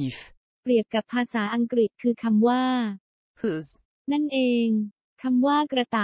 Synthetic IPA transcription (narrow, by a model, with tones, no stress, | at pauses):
i˨˩˦f | pɾi˨˩əp̚ka˨˩pʰːaː˧saː˩˦ʔa˧ŋkɾi˨˩t̪̚kʰɯː˧kʰa˧mwaː˥˩ | pʰɯ˨˩s | na˥˩nʔeː˧ŋ | kʰa˧mwaː˥˩kɾa˧t̪aː˨˩